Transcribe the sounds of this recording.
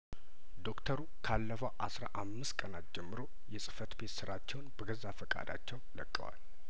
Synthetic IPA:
d̪o̞kt̪ʰəɾukʰalːəfəwʔasɾa̰ʔamːɨst̪kʼənat̪̚d͡ʒɛmːɨɾo̞ | jɛsʼɨ̥fət̪be̞t̪sɨɾat͡ʃːɛwnbəɡəzafəkʼa̰d̪a̰t͡ʃːɛwləkʼːə̰wa̰l

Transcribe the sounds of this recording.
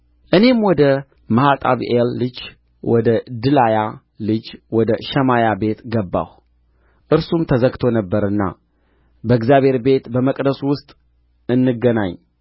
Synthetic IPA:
ʔɨne̞mwɔd̪ə | məhat̪ʼaβʔelːɨd͡ʒ | wɔd̪əd̪ɨlaja | lɨd͡ʒwɔd̪əʃəmajabe̞t̪ɡəbːa̰w | ʔɨɾsumt̪ʰəzəɡt̪ʰo̞nəbːəɾɨnːa̰ | bəɨɡzjaβhe̞ɾbe̞t̪bəməkʼd̪əswʊst̪ʼ | ɨnːɨɡənaɲː

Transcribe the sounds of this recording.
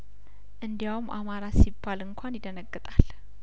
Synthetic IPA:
ʔɨnd̪ijawumʔa̰maɾasibːalɨŋkʷʰanjɪd̪ənəɡːɨt̪ʼal

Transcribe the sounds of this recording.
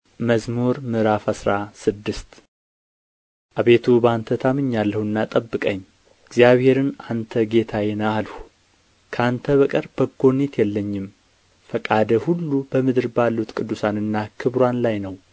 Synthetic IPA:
məzmuɾmɨɾafasɾasɨd̪ːɨst̪ | ʔaβe̞t̪ʰubant̪ʰət̪ʰamɨɲːalːəhuɨnːat̪ʼəbːɨkʼəɲː | ɪɡzijaβhe̞ɾɨnant̪ʰəɡe̞t̪ʰajɛnəalhu | kʰəant̪ʰəβəkʼəɾb̥əɡo̞net̪jɛlːəɲːɪm | fəkʼad̪əhulːubəmɨd̪ɨɾbalːut̪kʼɨd̪ːusanɨnːakʰɨβɾwanlajnəw

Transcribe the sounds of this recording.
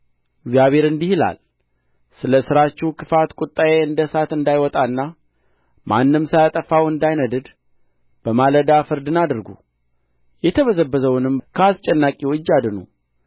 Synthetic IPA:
ɪɡzijaβe̞ɾɨnd̪ihila̰l | sɨləsɨɾat͡ʃːɪhkʰɨfat̪kʼʊt̪ʼːajeɨnd̪əsat̪ɨnd̪ajwɔt̪ʼaɨnːa | mʔanːɨmsajat̪ʼəfawɨnd̪ajnəd̪ɨd̪ | b̥əmaləd̪afɨɾd̪ɨnad̪ɨɾɡṵ | jɛt̪ʰəβəzəbːəzəwnɨmkʰəast͡ʃʼɛnːakʼiwɨd͡ʒːad̪ɨnṵ

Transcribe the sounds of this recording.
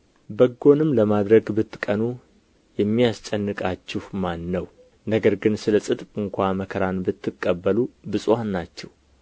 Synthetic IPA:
bəɡːo̞nɨmləmad̪ɾəɡbɨt̪ʰːɨ̥kʼənu | jɛmːijast͡ʃʼənːɨkʼat͡ʃːɪhmanːəw | nəɡəɾɡɨnsɨləsʼɨt̪ʼpʼɨŋkʷaməkʰəɾanbɨt̪ʰːɨkʼːəbːəlubɨsʼwanːat͡ʃːɛw

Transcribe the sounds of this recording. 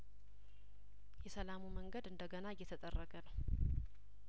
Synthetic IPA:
jɛsəlamuməŋɡəd̪ɨnd̪əɡənaɨjːɛt̪ʰət̪ʼərːəɡənəw

